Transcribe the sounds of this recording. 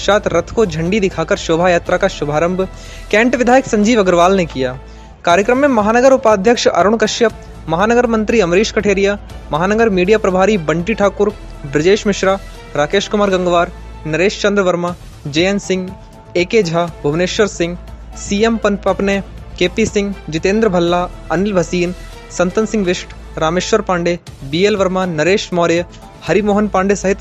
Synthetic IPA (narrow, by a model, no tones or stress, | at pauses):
ʃaːt̪ʰɾɐt̪ʰkod͡ʒʱɐ̃ɳɖid̪ɪkʰaːkəɾʃoːbʱajaːt̪ɾakaʃʊbʱaːɾə̃mbʱ | kɛ̃ːɳʈʋɪd̪ʱaːjəksɐ̃ɲd͡ʒiːʋɐɡəɾʋaːlnekijaː | kaːɾjəkɾəmːẽmɐɦaːnɐɡəɾʊpaːd̪ʱjəkʃɐɾʊɳ̃kɐʃjɐp̚ | mɐɦaːnɐɡəɾmɐ̃nt̪ɾiɐmɾiːʃkɐʈʰeːɾija | mɐɦaːnɐɡəɾmiːɖijaːpɾɐbʱaːɾibɐɳʈiʈʰaːkʊɾ | bɾɐd͡ʒeːʃmɪʃɾa | ɾaːkeːʃkʊmaːɾɡɐ̃ŋɡʋaːɾ | nɐɾeːʃt͡ʃɐ̃nd̪ɾəʋɐɾmaː | d͡ʒejənsɪ̃ŋɡ | eːkeːd͡ʒʱaːbʱɐʋneːʃʋɐɾsɪ̃ŋɡ | siːempɐpɐpnekeːpisɪ̃ŋɡd͡ʒɪt̪eːnd̪ɾəbʱɐlːaɐnɪlbʱɐsiːn | sɐnt̪ɐnsɪ̃ŋɡʋɪʃʈʰ | ɾaːmeːʃʋɐɾpãːɳɖebiːelʋɐɾmanɐɾeːʃmaːɾjɐ | hɐɾimoːɦənpãːɳɖesɐɦɪt̪